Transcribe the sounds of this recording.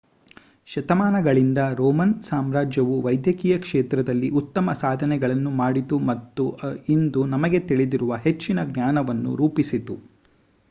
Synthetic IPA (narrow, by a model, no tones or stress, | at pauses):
ʃɐt̪ɐmaːnɐɡɐɭind̪ɐɾɔːmɐnsaːmɾaːd͡ʒjɐʋuʋɐjd̪jɐkiːjɐkʂeːt̪ɾɐd̪ɐlːiʔut̪ːɐmɐsaːd̪ʱɐnɛɡɐɭɐnːumaːɽit̪umɐt̪ːuind̪unɐmɐɡe̞t̪iɭid̪iɾuʋɐɦe̞t͡ʃːinɐɡnaːnɐʋɐnːṵɾuːpisit̪u